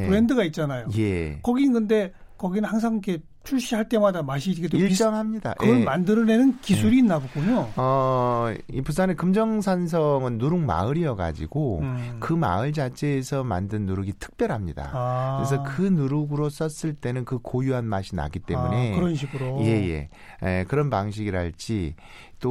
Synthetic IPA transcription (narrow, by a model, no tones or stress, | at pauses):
ɾe̞ndɯɡait̚t͡ɕ͈anajoje̞kʌɡinnkɯnde̞ | kʌɡinɯnhaŋs̬ʰaŋikʰe̞ | t͡ɕʰuɭɕ͈ʰiɦaɭt͈e̞madamaɕ̬ʰiiketoiɭt͡ɕ͈ʌŋɦamɲida̰ʔʔɯɡʌnmandɯɾʌne̞nɯnkisʰuɾiːnːaɡokoɲoʌ | ipus̬ʰanekɯmd͡ʑʌŋs̬ʰans̬ʰʌŋɯnːuɾuŋma̰ɯɾiʌɡa̰d͡ʑḭɡokɯma̰ɯɭd͡ʑat͡ɕʰe̞ːsʰʌma̰ndɯnːuɾuɡitʰɯ̥k̚p͈jʌɾɦamɲida̰kɯɾes̬ʰʌkɯnuɾɯɡɯɾos͈ʌs͈ɯɭt͈e̞nɯnkɯkojuɦanmaɕʰina̰ɡit͈e̞̰mune̞kɯɾʌnɕʰiɡɯɾoje̞je̞̰ | ekɯɾʌnpaŋɕ̬ʰiɡiɾɦaɭt͡ɕ͈i | t͈o